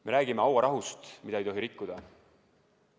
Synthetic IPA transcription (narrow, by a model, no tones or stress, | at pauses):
me̞ɾæːɡime̞ɑwɑɾɑɦust̪mid̪ɑejt̪o̞ɦiɾikːud̪̥ɑ